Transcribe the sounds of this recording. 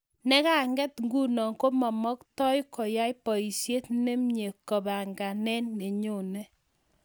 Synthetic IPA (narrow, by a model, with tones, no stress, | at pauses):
nɛ˦ka˦ŋɡɛ˦tŋɡu˦nɔ˨ŋko˦mɔ˨mɔ˦ktɔ˦jkɔ˨ja˦jpɔ˨i˨sje˦tne˦mɲe˨kɔ˨ba˨ŋɡa˨nɛ˦nːe˨ɲo˦˨nɛ˦